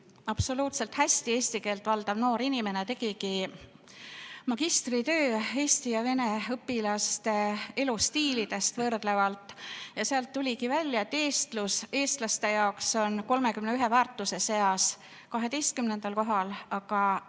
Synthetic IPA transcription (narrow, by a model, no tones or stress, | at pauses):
ɑpso̞luːt̪se̞lt̪hæsʲt̪ie̞ːsʲt̪ike̞ːlt̪ˑvɑld̪̥ɑvno̞ːɾinime̞ne̞t̪e̞ɡ̥iki | mɑɡist̪rit̪ø̞ːe̞ːst̪ijɑve̞ne̞ɤpːˑilɑst̪e̞e̞lust̪iːlid̪̥e̞st̪vɤrd̪̥le̞vɑlt̪ːˑjɑseɑlt̪ːulʲikivælʲjɑet̪ːe̞ːst̪luse̞ːst̪lɑst̪e̞jɑokso̞nko̞lme̞kymneyɦe̞væːrt̪ːˑuse̞se̞ɑs | kɑɦe̞t̪e̞jst̪̚kymne̞nd̪̥ɑlko̞ɦɑlɑkɑ